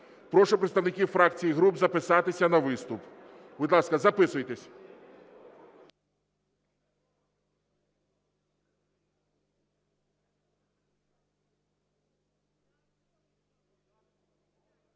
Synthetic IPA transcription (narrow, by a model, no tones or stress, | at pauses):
pɾɔʂʊpɾɛt̪st̪ɐwnɪkʲifɾak̪sʲijiɣɾubzɐpɪsat̪ɪsʲɐnɐʋɪst̪ʊp | bud̪lˠaskɐzɐpɪsʊjt̪ɛsʲ